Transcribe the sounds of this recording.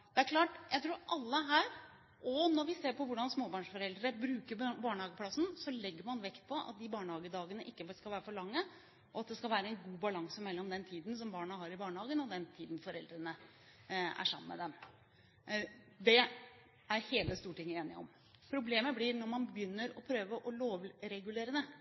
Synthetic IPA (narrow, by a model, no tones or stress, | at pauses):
d̪̥ɛæɾkʰlɑːʈjæɪt̪ʰɾuːɾʔɑlːəɦæːɾ | ʔɔnɔɾʋɪseːɾpɔʋʊɖɑnsmoːbɑːɳʂfɔɾɛld̪ɾəɾəbɾʉːkəɾbɑːɳəhɑːɡəpʰlɑsnsɔlɛɡːəɾmɑnʋɛkt̪̚pʰɔʔɑ̰t̪̚d̪ɪbɑːɳhɑːɡəd̪ɑːɡənəʔɪkːəskɑlʋæːɾəfɔɭɑŋːə | ʔɔɑt̪̚d̪ɛskɑlʋæːɾəɛɪnɡuːbɑlɑŋsəmɛlːɔmd̪ɛnt̪ʰiːd̪n̩sɔmbɑːɳɑɦɑɾɪbɑːɳhɑːɡənɔd̪ɛnt̪ʰiːd̪nfɔɾɛld̪ɾənə | æ̰ʂɑ̰mənːmɛ̰d̪ɛm | d̪ɛ | æɾheːləst̪uːʈʰɪŋːəeːnɪɔ̰m | pʰɾʊbleːməblɪɾnɔɾmɑnbbjʏnːəɾɔpʰɾøːʋəʔɔloːʋɾɛɡʉleːɾənə